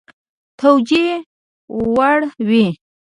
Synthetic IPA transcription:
t̪ʰawd͡ʒi | waɽwi

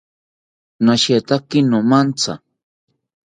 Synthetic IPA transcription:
naʃet̪akinomant͡sa̰

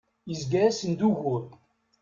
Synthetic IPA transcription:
jəzɡæɾæsənd̪uʝʊɾ

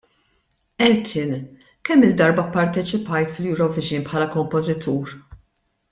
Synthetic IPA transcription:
ɛlt̪ʰɪn | kɛmːɪld̪ɐɾbɐpːɐɾt̪ɛt͡ʃɪpɐjt̪fljuɾɔvɪd͡ʒiːnpħɐːlɐkɔmpɔzɪt̪ʰuːɾ

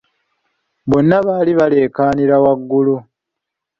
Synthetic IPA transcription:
βo̞nːaβaːliβale̞ːkaːniɾawaɡːulu

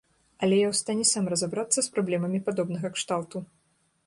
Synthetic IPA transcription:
ɐlʲɛjawst̪anʲɛsamrɐzabɾat̪sːɐspɾablʲɛmɐmʲipad̪ɔbnɐɣɐkʂt̪awt̪u

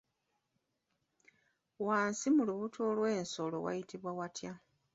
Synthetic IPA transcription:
waːnsimuluβutʰoːlwe̞ːnso̞lo̞̰wa̰jitiβwawatja

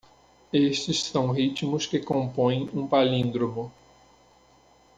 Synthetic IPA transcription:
eʃt͡ʃɪssɐ̃w̃ɦit͡ʃmʊskɪkõpõj̃ũpalĩnd̪ɾomʊ

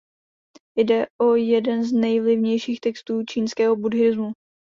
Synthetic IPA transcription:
jdɛʔojɛdɛnznɛjvlɪvɲɛjʃiːxt̪ɛkst̪uːt͡ʃiːnskɛːɦobudɦɪzmu

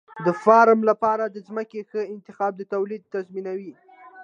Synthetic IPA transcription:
d̪əfɑɾmlapɑɾad̪əzməkexəɪnt̪ɪxɑb̚d̪ət̪awlid̪̚t̪azminawi

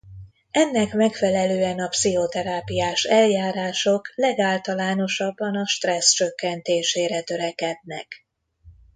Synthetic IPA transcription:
ɛnːɛkmɛkfɛlɛløːɛnɒpsiɦo̞t̪ɛɾaːpijaːʃɛljaːɾaːʃo̞klɛɡaːlt̪ɒlaːno̞ʃɒbːɒnɒʃt̪rɛst͡ʃø̞kːɛnt̪eːʃeːɾɛt̪ø̞ɾɛkɛd̪̚nɛ̰k

